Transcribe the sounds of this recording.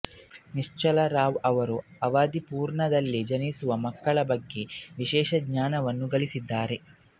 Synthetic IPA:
niʂt͡ʃɐlɐɾaːʋɐʋɐɾuɐʋaːd̪ipuːɾɳɐd̪ɐlːid͡ʒɐnisuʋɐmɐkːɐɭɐbɐɡːe̞ʋiʃɛːʃɐɡɲaːnɐʋɐnːuɡɐɭisid̪ːaːɾe̞

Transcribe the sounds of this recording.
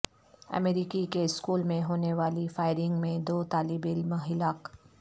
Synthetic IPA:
ə̰meːɾiːkikeɪskuːlmẽɦoːneʋaːlifaːɪɾɪ̃ŋɡmẽd̪oːt̪aːlɪbɪlmɦɪlaːk

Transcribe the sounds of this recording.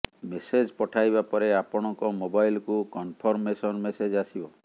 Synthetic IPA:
mesed͡ʒpɔʈʰajbapɔɾeapɔɽ̃ɔŋkɔmobajlkukɔnpʰɔɾmesɔnmesed͡ʒasibɔ

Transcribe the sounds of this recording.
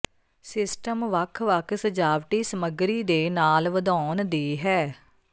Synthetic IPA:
sɪsʈəmʋəkʰʋəkʰsəd͡ʒaːʋʈiːsəməɡɾiːd̪eːnaːlʋəd̪ɔːnd̪iːɦɛː

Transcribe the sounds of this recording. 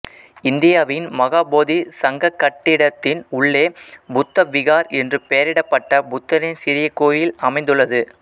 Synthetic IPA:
ɪnd̪ɪjaːʋɪnmɐɣaːboːðisɐŋɡɐkːɐʈːɪɽɐt̪ːɪnʊɭːeːbʊt̪ːɐʋɪɣaːɾɛndrɯpejɐɾɪɽɐpːɐʈːɐbʊt̪ːɐɾɪnsɪɾɪjɐkːoːjɪlɐmɐɪnd̪ɯɭːɐðɯ

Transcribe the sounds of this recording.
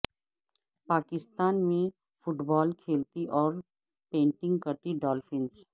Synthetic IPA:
paːkɪst̪aːnmẽ | fʊʈbɔːlkʰeːlt̪iʔɔːɾ | pẽːɳʈɪ̃ŋɡkɐɾt̪iɖɔːlfɪ̃ns

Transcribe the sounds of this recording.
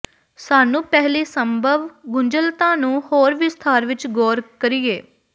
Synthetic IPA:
saːnũːpɛɦliːsəmbʱəʋɡʊɲd͡ʒəlt̪ãːnũːhoːɾʋɪst̪ʰaːɾʋɪt͡ʃɡɔːɾkəɾieː

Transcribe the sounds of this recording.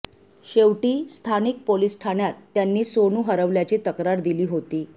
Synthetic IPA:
ɕeʋʈiːst̪ʰanik̚polisʈʰanjat̪ːjanːiːsonuːɦəɾəʋljat͡ɕiːt̪əkɾaɾd̪iliːɦot̪iː

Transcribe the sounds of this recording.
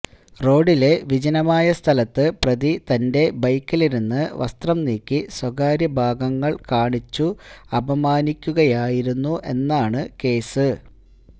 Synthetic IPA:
ro̞ːɖile̞ʋid͡ʑɐnɐmaːjɐst̪ʰɐlɐt̪ːɨprɐðit̪ɐnde̞bɐjkːiliɾunːɨʋɐ̰st̪rɐmniːkʲːiswɐɡaːɾjɐbʱaːɡɐŋːɐɭkaːɳit͡ɕːuɐbɐmaːnikʲːuɣɐjaːjiɾunːuʔe̞nːaːɳɨke̞ːsɨ

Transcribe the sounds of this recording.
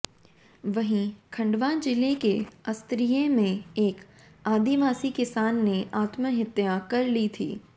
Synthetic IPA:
ʋɐɦĩkʰɐ̃ɳɖʋaːnd͡ʒɪlekeɐst̪ɾijemẽeːk | aːd̪iʋaːsikɪsaːnːeaːt̪məɦɪt̪ːjakɐɾlit̪ʰḭː

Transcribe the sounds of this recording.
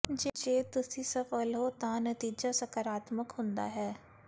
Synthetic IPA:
d͡ʒɪd͡ʒeːt̪ʊsisɐfəlɦot̪ãnɐt̪iːd͡ʒasɐkəɾaːt̪məkɦʊ̃nd̪a̰ɦɛː

